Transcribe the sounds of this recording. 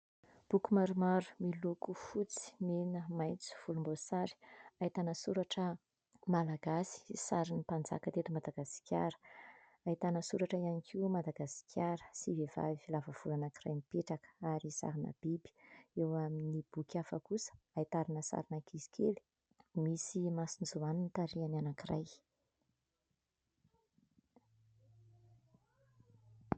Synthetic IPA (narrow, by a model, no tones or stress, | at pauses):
b̥ukumaɾumaɾu̥milukufut͡si̥menəmajt͡su̥v̥ulumbosaɾi̥ait̪anəsuɾaʈ͡ʂə | malaɡasi̥saɾinipand͡za̰kət̪et̪imad̪aɡasi̥kʰʲa̰ɾə̥ | ait̪anəsuɾaʈ͡ʂəianikʰimad̪aɡasi̥kʲʰaɾə̥siveva̰ivilavəv̥ulanakira̰jnipeʈ͡ʂakə̥aɾisa̰ɾinə̰b̥ibi̥ewaminib̥ukʰʲafəkusə̥ | ait̪aɾinəsa̰ɾinakizi̥kʰeli̥ | misimasinizuaninit̪aɾiananakiraj